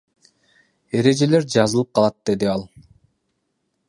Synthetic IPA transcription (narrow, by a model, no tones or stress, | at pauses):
e̞ɾe̞d͡ʒe̞le̞ɾd͡ʒɑzɯlˠɯp̚qʰɑlˠɑt̪̚d̪̥e̞d̪iɑlˠ